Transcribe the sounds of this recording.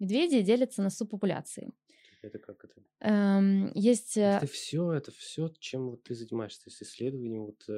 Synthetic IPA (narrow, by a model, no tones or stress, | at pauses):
mʲɪd̪vʲedʲɪɪdʲelʲɪt̪sənɐsupːəpʊlʲa̰t̪sɨ̰ɪ̰ | ɛt̪əkakɛt̪ə | əjesʲtʲət̪əfsʲoɛt̪əfsʲot͡ɕemvot̪ːɨzənʲɪmaɪʂst̪osɪsʲlʲed̪əvənʲɪəmvot̪